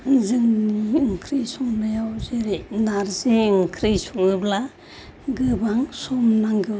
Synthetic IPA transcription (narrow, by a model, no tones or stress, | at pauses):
zɯŋniɯŋkʰɾisɔŋnajawzeɾinaɾziɯŋkʰɾisɔŋɯbla | ɡɯbaŋsɔmnaŋɡɯ